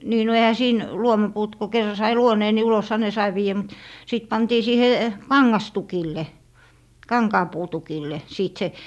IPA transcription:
niː no ehæ siːn luomɑpuːt ku kerːɑ sɑi luoneː ni uloshɑ ne sɑi ʋiːjæ mut siˑt pɑntiː siːhe kɑŋːɑstukilːe kɑŋkɑːpuːtukilːe siːt se

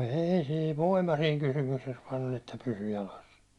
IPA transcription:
ei siː ʋoimɑ siːŋ kysymykses ʋɑːn olʲ etːæ pysy jɑlɑs

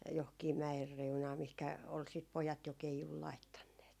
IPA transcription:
johkiː mæer reunɑː mihkæ ol sit pojɑt jo keijul lɑitːɑnːeːt

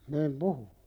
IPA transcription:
niːm puhu

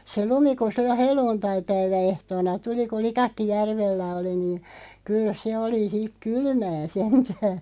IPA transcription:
se lumi ku silːo helˑuːntɑipæiʋæehtoːnɑ tuli ku likɑkːi jærʋelːæ oli niːn̞ kyl se oli h̆ik kylmæː sentæː

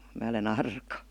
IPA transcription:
mæː olen ɑrkɑ

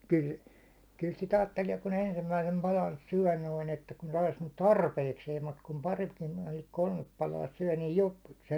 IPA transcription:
kyl kyl sit ɑːtːelie kun ensimːæisem pɑlɑn syæ̹ noiŋ etːæ kun sɑis nyt tɑrpeikseːm mut kum pɑritkin noiŋ kolmep pɑlɑː syæ̹ niːj jop se

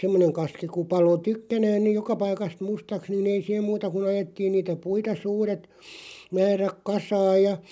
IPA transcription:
semːoneŋ kɑski ku pɑlo tykːænæːn niˑj̆ jokɑ pɑikɑst mustɑks nin ei sih̆em muːtɑ kun ɑjetːiːn niːtæ puitɑ suːret mæːræk kɑsɑːj jɑ

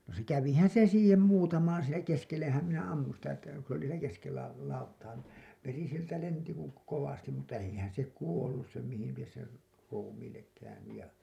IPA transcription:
no se kæʋihæn̞ se siːhem muːtɑmɑːn siːnæ keskelːehæm minæ ɑmːun sitæ etːæ ku s oli siːnæ keskelːæ lɑutːɑː ni ʋeri sieltæ lenti ku koʋɑstim mutːɑ eihæn se kuolːus sem mihil lies ser ruːmiːlːek kæynyj jɑ

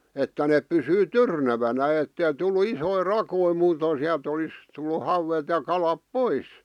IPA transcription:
etːæ nep̆ pysyː tyrnæʋænæ etːei tulːu isoi rɑkoi muːtoiˑn̞ siæl̆t olis tulːu hɑuwet jɑ kɑlɑp pois

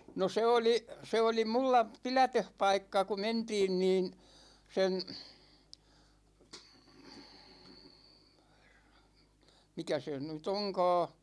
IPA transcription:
no se oli se oli mulːɑ pilætøhpɑikːɑ ku mentiːn niːn sen mikæ se nyt oŋkɑ̞ː

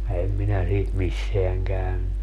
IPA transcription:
ɛm minæ siːt misːeæŋ kæynːy

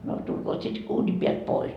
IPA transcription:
no tulkoːt sit uːni piælt pois

